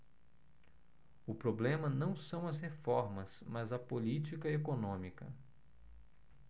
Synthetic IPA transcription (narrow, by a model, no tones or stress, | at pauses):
ʊpɾoblẽmɐnɐ̃w̃sɐ̃w̃ɐshefɔɾmɐsmɐzɐpolit͡ʃikɐekonõmikɐ̰